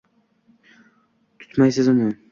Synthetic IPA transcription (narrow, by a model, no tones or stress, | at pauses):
t̪ʰʊ̥t̪majsɪzʊnɪ